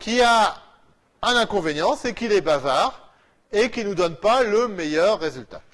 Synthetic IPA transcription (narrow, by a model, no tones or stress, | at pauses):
kʲia | ɛ̃nɛ̃kɔ̃venjɑ̃sekʲilɛbavaʁ | ekʲinud̪ɔnpaləmejœʁːezylt̪a